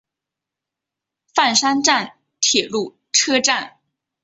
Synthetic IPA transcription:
fa˥˩nʂa˥nʈ͡ʂa˥˩n | t̪ʰjɛ˨˩lu˥˩ | ʈ͡ʂʰɤ˥ʈ͡ʂa˥˩n

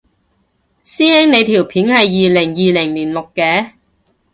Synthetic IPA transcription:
siː˥hɛː˥ŋne˨˧jt̪ʰiː˨˩wpʰiː˨˥nhɐ˨jːiː˨lɪ˨˩ŋjiː˨lɪ˨˩ŋliː˨˩nlʊ˨kːɛː˧

